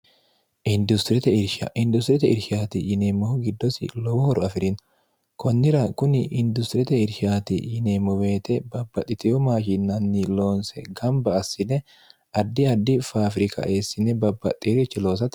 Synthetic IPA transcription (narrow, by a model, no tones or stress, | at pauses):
ʔɪnd̪ʊst̪ɾɪt̪ɛɪɾʃɐ̰ʔɪnd̪ʊst̪ɾɪt̪ɛɪɾʃaːt̪ɪjɪneːmːɔhɔɡɪd̪ːɔsɪ̰lɔwɔhɔɾɔɐfɪɾɪn | kɔnːɪɾɐkʊnɪʔɪnd̪ʊst̪ɾɪt̪ɛɪɾʃaːt̪ɪ̰jɪneːmːɔbe̞ːt̪ɛbɐbːɐt̪ʼːɪt̪ɪjɔmaːʃinːɐnːilo̞ːnsɛ̰ɡɐmbɐːsːɪnɛ | ɐd̪ːɪɐd̪ːɪfaːfɾɪkʰɐ̰ʔeːsːɪnɛbɐbːɐt̪ʼːiːɾt͡ʃːɪlo̞ːs̬ɐt̪